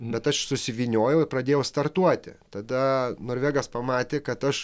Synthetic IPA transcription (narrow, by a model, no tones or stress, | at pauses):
bʲɛt̪ɐʃsʊsʲɪʋʲiːnʲoːjɛʊɪpɾɐd̪ʲeːjɛʊst̪ɐrt̪uɔt̪ʲɪ̰t̪ɐd̪ɐnoːɾʲʋʲeːɡɐspɐmɑːt̪ʲeːkɐt̪ɐʃ